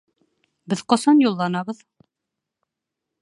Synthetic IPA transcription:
bɘðqɒsɑnjulˠːɑnɑβɤð

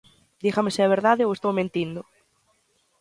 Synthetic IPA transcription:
d̪iɣamesɪaβ̞eɾðaðɪowest̪owmẽnt̪ind̪ʊ

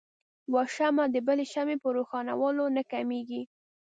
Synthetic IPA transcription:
wɑʃamad̪əbəleʃamepəɾoxɑna̰wɑlonakameɡi

